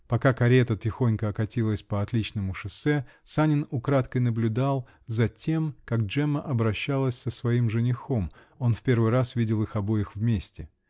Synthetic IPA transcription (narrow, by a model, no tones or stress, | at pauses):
pɐkakɐɾʲet̪ətʲɪxo̞nʲkəɐkɐtʲilˠəsʲpəɐt̪lʲit͡ɕnəmʊʂɨsɛsanʲɪnʊkɾat̪kəjnəblʲʊd̪alˠ | zɐtʲe̞mkakʐɛməʔɐbɾɐɕːalˠəsʲsəsvɐimʐɨnʲɪxo̞m | o̞nfpʲe̞rvɨjrasvʲidʲɪlˠɨxɐbo̞jɪxvmʲesʲtʲɪ